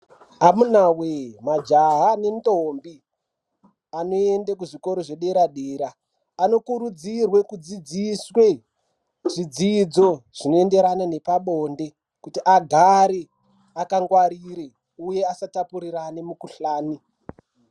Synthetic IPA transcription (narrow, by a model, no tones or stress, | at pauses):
amunawemad͡ʒaɦanentombi | ano̞endekuʐiko̞ɾo̞ʐeɗe̞ɾaɗeːɾaː | no̞kuɾud͡zirwe̞kud͡zid͡ziswe̞ | ʐid͡zid͡zo̞ʐ̥ino̞ende̞ɾanane̞paɓoːnde̞ | kutiʔaɡʱaɾe | akaŋɡwaɾiɾe | uje̞asatapuɾiranemukuɬaːni